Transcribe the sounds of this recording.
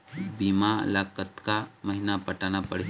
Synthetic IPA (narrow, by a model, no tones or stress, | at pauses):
biːma̰laːkət̪kamɐɦɪnapəʈaːnapəɽ̤i